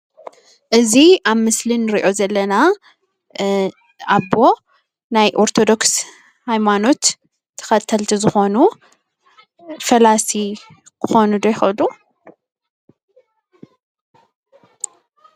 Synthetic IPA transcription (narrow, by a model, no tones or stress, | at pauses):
ʔɨziʔaβmɨslinːɨɾiʔo̞zɐlːɐna | aβːo̞ | najʔo̞ɾt̪ʰo̞d̪o̞ks | hajmano̞t̪ʰː | ɐ̥xɐt̪ʰːɐlt̪ʰizɨxo̞nu | fɐlasi | kʰɨxo̞nud̪ojxɐlu